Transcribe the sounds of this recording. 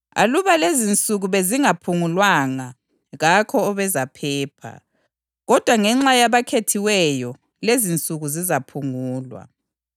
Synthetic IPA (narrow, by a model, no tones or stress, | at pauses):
a̰luβalezint͡sʼuɣuβeziŋapʰuŋulwaŋa | ɣakʰɔːβɛzapʰɛːpʰa̰ | ɣɔd̥ʱwaŋɛŋ͡ǁajaβakʰetʰiwɛjɔ | lezint͡sʼuɣuzizapʰuŋuːlwa̰